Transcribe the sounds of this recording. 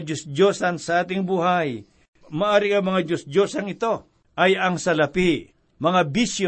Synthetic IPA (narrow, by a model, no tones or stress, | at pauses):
d͡ʒosd͡ʒosansɐʔaːt̪ɪŋbuːɦaj | mɐʔaːɾɪɐŋmɐŋad͡ʒosd͡ʒosɐŋɪt̪o̞ | ʔɐjɐŋsɐlɐpɪ | mɐŋabisj